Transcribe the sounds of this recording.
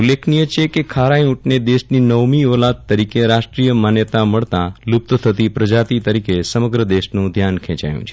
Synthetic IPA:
ulːekʰnijət͡ʃʰekekʰaɾãjũʈned̪eʃninəʋmiolat̪̚t̪ːəɾikeɾaʃʈɾijəmanjət̪aməɭt̪alup̚t̪ət̪ʰət̪ipɾəd͡ʒat̪it̪əɾikesəməɡɾəd̪eʃnũd̪ʱjankʰɛ̃t͡ʃa̰jṵ̃t͡ʃʰe̥

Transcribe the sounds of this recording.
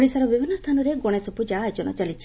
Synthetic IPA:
ɭisaɾɔbibʱinːɔst̪ʰanɔɾeɡɔɽ̃esɔpud͡ʒaːd͡ʒɔnɔ̰t͡ʃalit͡ʃʰi̥

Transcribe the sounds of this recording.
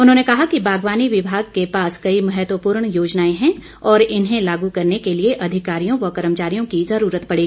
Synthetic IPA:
ʊnɦõːnekɐɦakibaːɡʋaːniʋɪbʱaːɡ̚kepaːskɐimɐɦɛt̪wəpuːɾɳ̃joːd͡ʒnaːẽɦɛ̃ | ɔːɾɪnɦẽlaːɡukɐɾnekelieʔɐd̪ʱɪkaːɾijõʋɐkɐɾəmt͡ʃaːɾijõkizɐɾuːɾət̪pɐɽeːɡi

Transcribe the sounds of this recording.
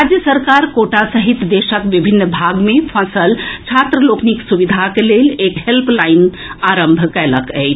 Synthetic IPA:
ad͡ʒjəsəɾkaɾkoʈasəɦit̪d̪esəkʋibʱinːbʱaɡmepʰə̃səlt͡ʃʰat̪ɾəlokniksubid̪ʱakelelekɦelplajn | aɾəmbʱkɛləkə̰jt͡ʃʰ

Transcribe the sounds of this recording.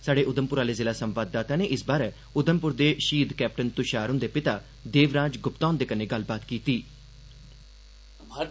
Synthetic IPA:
saːɖeːʔʊd̪əmpʊɾaːleːzɪːlaːsəmʋaːd̪ːaːt̪aːneːʔɪsbaːɾeː | ʊd̪əmpʊɾd̪eːʃiːd̪kɛːp̚ʈənt̪ʊʃaːɾʊ̃nd̪eːpɪt̪aː | d̪eːʋɾãːd͡ʒɡʊpt̪ãːnd̪eːkəneːɡəlbaːt̪kiːt̪iː

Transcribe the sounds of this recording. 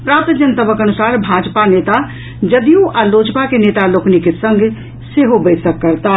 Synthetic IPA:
pɾapt̪d͡ʒənt̪əbəkənusaɾbʱad͡ʒpanet̪a | d͡ʒəd̪ijũʔalod͡ʒpakenet̪aloknikesəŋɡʱ | seɦobət̪səkːəɾt̪a

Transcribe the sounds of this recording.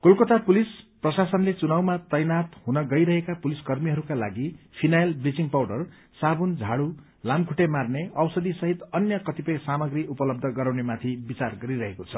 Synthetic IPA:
kolkot̪apulisprʌsasʌnlet͡sunawmat̪ʌjnat̪ɦunʌɡʌjɾʌɦekapuliskʌrmiɦʌɾukala̰ɡipʰinajlbrid͡ziŋpawɽʌr | sabund͡zʱaɽu | lamkʰuʈemarneʌwsʌd̪isʌɦit̪ʌnjʌkʌt̪ipʌjsamʌɡriʔupʌlʌb̚d̪ʱʌɡʌɾawnemat̪ʰibit͡sarɡʌɾiɾʌɦekot͡sʰʌ

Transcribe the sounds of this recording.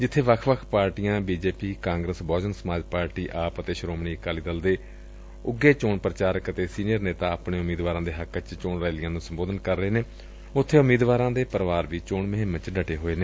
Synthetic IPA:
d͡ʒɪt̪ʰːeːʋəkʰʋəkʰpaːɾʈijãːbiːd͡ʒeːpiːkãːŋɡɾəsbɔːd͡ʒənsəmaːd͡ʒpaːɾʈiːʔaːpət̪eːʃɾoːmɳiːəkaːliːd̪əld̪eː | ʊɡːeːt͡ʃoːɳpɾət͡ʃaːɾəkət̪eːsiːnijəɾneːt̪aːəpɳeːʊmiːd̪ʋaːɾãːd̪eːɦəkːt͡ʃt͡ʃoːɳɾaːlɪjãːnũːsəmboːd̪ənkəɾːəɦeːneː | ʊt̪ʰːeːʊmiːd̪ʋaːɾãːd̪eːpəɾʋaːɾʋiːt͡ʃoːɳməɦẽmə̃t͡ʃɖəʈeːɦoːeːneː

